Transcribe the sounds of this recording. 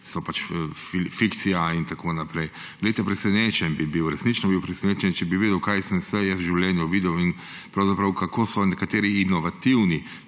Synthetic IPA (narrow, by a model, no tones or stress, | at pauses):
sɔpat͡ʃfifikt̪sijaint̪akʰoːnapɾɛj | ɡ̥lɛejt̪ɛpɾɛsɛneːt͡ʃɛnbibiwɾɛsnit͡ʃnɔbiwpɾɛsɛneːt͡ʃɛnt͡ʃɛbiʋeːd̪ɛwkajsənsɛjɛsʒiwlʲjɛnjɔʋiːd̪ɛwin | pɾawzapɾɐwkakoːsɔnɛkat̪eːɾiinɔʋat̪iwni